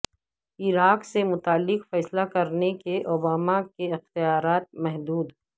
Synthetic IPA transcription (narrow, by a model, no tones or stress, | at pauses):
ɪɾaːqsemʊt̪aːlːɪqfɛːslakɐɾnekeʔoːbaːmakeɪxt̪ijaːɾaːt̪̚mɛɦd̪uːd̪